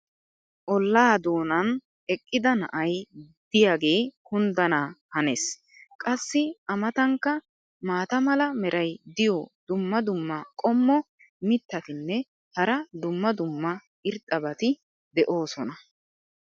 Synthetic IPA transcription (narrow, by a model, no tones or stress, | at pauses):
ʔɔlːaːd̪o̞ːnɐn | ɛkʼːɪd̪ɐnɐ̰ʔɐj | d̪̥ɪjaːɡe̞ːkʊnd̪ɐnaːhɐnes | kʼɐsːɪʔɐmɐt̪ɐŋkːɐ | maːt̪ɐmɐlɐmɛɾʔɐjd̪ɪjɔd̪ʊmːɐd̪ʊmːɐkʼɔmːɔ | mɪt̪ːɐt̪ɪnːɛ | hɐɾɐd̪ʊmːɐd̪ʊmːɐ | ɪɾt̪ʼːɐbɐt̪ɪ | d̪ɛʔo̞ːsɔnɐ